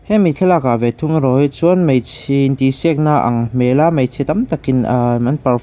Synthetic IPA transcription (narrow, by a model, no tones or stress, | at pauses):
hɛmitʰɛlakavɛt̪ʰuŋɾɔjt͡suənmejt͡sʰint̪isɛk̚naʔɐ̰ŋmɛlamejt͡sʰit̪ɐmt̪ɐkinmɐnpɐr